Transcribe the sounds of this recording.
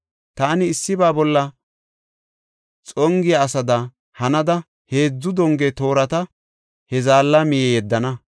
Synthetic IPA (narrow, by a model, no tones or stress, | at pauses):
t̪aːnɪːsːɪbaːbɔlːɐ | t͡sʼɔŋɡɪjaːsɐd̪ɐ | hɐnɐd̪ɐ | he̞ːd͡zːʊd̪ɔŋɡet̪o̞ːɾɐt̪ɐ | hɛzaːlːɐmɪjɛjɛd̪ːɐnɐ